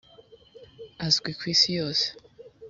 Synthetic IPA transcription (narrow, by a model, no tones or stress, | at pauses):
azɡwikʰwiːsijoːse̥